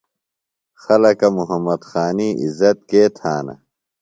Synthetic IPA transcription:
xɐlɐkɐmuɦɐmːɐd̪xaːniːʔizɐt̪̚keːt̪ʰaːnɐ̰

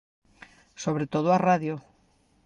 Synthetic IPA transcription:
soβɾet̪oð̞ʊaraðjo

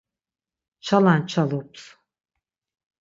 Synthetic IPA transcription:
t͡ʃʰalˠant͡ʃʰalˠops

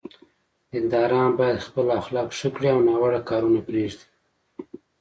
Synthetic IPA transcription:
dɪnd̪ɑɾɑnbɑjad̪xpəlaxlɑkʂəkɽiawnɑwəɽakɑɾunapɾeʐd̪i̥

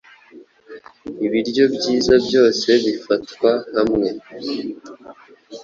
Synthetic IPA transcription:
iβiɾɟo̞bjiːzabjo̞ːse̞βifatkwahamŋe̞

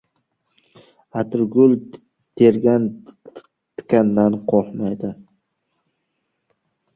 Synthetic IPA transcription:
at̪ʰɾɡʊlˠ | t̪ʰeɾɡʲan | t̪ɪ̥kʲanːanqʰɒhmajd̪ɪ

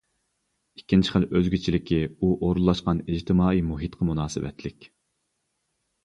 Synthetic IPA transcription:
ikʲːint͡ʃʰɪ̥χəløzɡʲyt͡ʃʰilɪkʲʰiuʔoɾulˠːɑʃqɑnid͡ʒt̪ʰɪmɑːimuɦit̪qʰɑmunɑːsɨ̰wɛ̰t̪ʰlɪkʲ

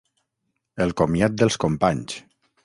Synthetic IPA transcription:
əlˠkomjat̪̚d̪əlˠskompaɲs

